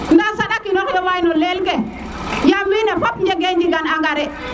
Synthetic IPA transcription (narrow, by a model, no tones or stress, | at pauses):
ndasadakinɔkjɔwajinɔlelke | jamːinɛpapɲeɡeɲd͡ʒiɡanaŋɡaɾi